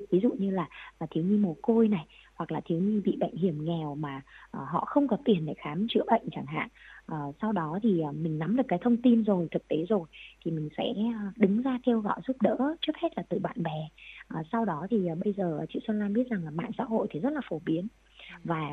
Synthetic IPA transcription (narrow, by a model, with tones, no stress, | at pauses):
vi˨˦zṵ˧˨ɲɨ˧laː˨˩˨t̪ʰi˨˦wɲɨ˧mo˨˩t̚ko˧jna˨˩j | hwa˨˩k̚laː˨˩t̪ʰi˨˦wɲɨ˧ɓḭ˧˨ɓə̰˧˨jŋ̟hi˧˩əmŋɛ˨˩wmaː˨˩ʔəː˨˩ɦɔ̰˧˨xə˧wŋ͡mkɔ˨˦t̪i˨˩ənɗe˧˩xaː˨˦mt͡ɕɨ̰˧˩əɓə̰˧˨jŋ̟t͡ɕaː˧˩ŋɦa̰ː˧˨nʔəː˨˩sa˧wɗɔ˨˦t̪ʰi˨˩ʔːmï˨˩ŋ̟na˨˦mɗɨ˨˩əkːaː˨˦jt̪ʰə˧wŋ͡mt̪i˧nzo˨˩jt̪ʰɨ˨˩k̚t̪e˨˦zo˨˩jt̪ʰi˨˩mï˨˩ŋ̟sɛ̰˧˥˨ɗɨ˨˦ŋzaː˧ke˧wɣɔ̰˧˨jzu˦˥p̚ɗə̰ː˧˥t͡ɕɨ˦˥ək̚he˦˥t̚laː˨˩t̪ɨ˨˩ɓa̰ː˧˨nɓɛ˨˩ʔəː˨˩sa˧wɗɔ˨˦t̪ʰi˨˩ʔːɓə˧jzəː˨˩˨t͡ɕḭ˧˨sə˧nlaː˧nɓi˦˥ət̚za˨˩ŋlaː˨˩ma̰ː˧˨ŋsa̰ː˧˥ɦo̰˧˨jt̪ʰi˨˩zə˦˥t̚laː˨˩fo˨˩˦ɓi˨˦ən | vaː˨˩